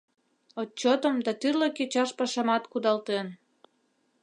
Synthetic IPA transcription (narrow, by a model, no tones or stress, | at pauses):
ot͡ɕot̪əmd̪ɑt̪yrləket͡ɕɑʃpɑʃɑmɑt̪kud̪ɑlt̪en